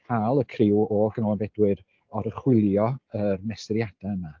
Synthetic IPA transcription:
kʰaːlˠəkʰrɪwɔ̥ənɔlˠanbɛdwɪɾ | ɔɾəχwɪlˠjɔərmɛstəɾjad̥aəma

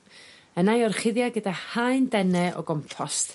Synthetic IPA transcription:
ənajɔrχɪðjaɡədahajndɛnɛʔɔ̰ɡɔmpʰɔst

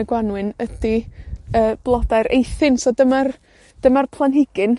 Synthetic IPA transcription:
ɡwanwɨnədiəːb̥lˠɔdajɾḛjθɪnsɔdəmar | d̥əmarpʰlˠanɦɪɡ̥ɨn

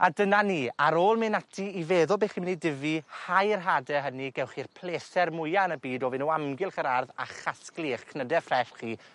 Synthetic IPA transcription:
adənaniːaɾoːlˠmɪnatʰiiveːðʊlˠbeːχiːmənidɪvihajrɦadɛɦəniɡɛwχirpʰlˠeːsɛrmʊjanəbiːdɔvɪnuːamɡɪlˠχəɾarða̰χasklˠiχkʰnədɛfrɛɬχiː

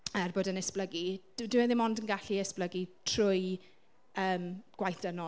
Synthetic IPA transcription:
ərboːdənəspləɡid̥dɪɛðɪmɔndənɡaɬiəspləɡitʰr̥ʊj | əːmɡ̥wajθənɔ

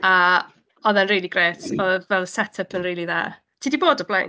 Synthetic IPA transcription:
a | ɔðɛnriːlˠiɡreːtʰɔvɛlˠsɛtʰəpʰənriːlˠiða̰ | tʰiːdiboːdɔblajn

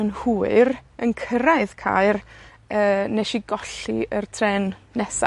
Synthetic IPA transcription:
ənhuːɨrənkʰəɾaɨðkʰa̰ɨr | əːnɛʃiɡɔɬḭərtʰrɛnːɛsa̰

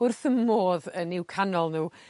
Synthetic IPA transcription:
ʊrθəmmːoːðənɪwkʰanɔlˠnuː

